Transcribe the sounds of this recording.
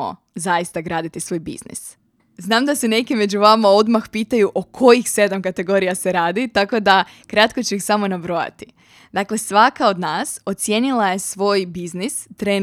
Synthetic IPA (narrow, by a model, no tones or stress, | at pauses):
o̰ | zajist̪aɡɾaːd̪it̪isʋo̞ːjbḭz̥nḭs | znaːmd̪ase̞ne̞kime̞d͡ʑuʋamao̞d̪maxpiːt̪ajuʔokʰo̞jixse̞d̪amkat̪e̞ɡo̞ɾijase̞ɾaːd̪it̪ako̞d̪a | kɾat̪̚ko̞t͡ɕeixsamo̞nabɾo̞ja̰t̪i̥ | d̪akle̞sʋakao̞d̪naːso̞t̪sʲje̞nilˠaje̞sʋo̞ːjbiznist̪ɾeː